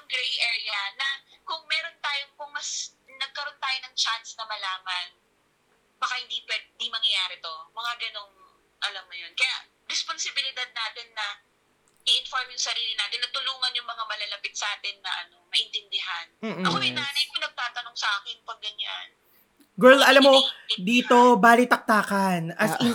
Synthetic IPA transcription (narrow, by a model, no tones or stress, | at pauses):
ɐŋɡɾejʔɛːɹɪjɐnɐkʊŋmɛːɾo̞nt̪aːjoŋpʊŋmɐsnɐɡ̚kɐɾo̞nt̪aːjonɐŋt͡ʃansnɐmɐlaːmɐn | bɐkahɪnd̪ipɛnd̪imɐŋjaːɾɛt̪o̞mɐŋaɡɐno̞ŋ | ʔɐlamːʊjonkɐja̰ʔ | ɾɛsponsɪbɪlɪd̪ad̪̚naːt̪ɪnːɐ | ɪʔɪnfoɹmjʊŋsɐɾiːlɪnaːt̪ɪnɐt̪ʊluːŋɐnjʊŋmɐŋamɐlɐlɐpɪt̪sʔaːt̪ɪnːɐʔɐno̞mɐʔɪnt̪ɪnd̪ɪɦanm̩ːɐkoɪnaːnɐjkonɐɡ̚t̪aːt̪ɐnoŋsɐʔaːkɪnpɐɡːɐɲa̰n | ɡɛd̪ɐlamːod̪iːt̪o̞baːlɪt̪ɐk̚t̪aːkɐnʔɐsɪn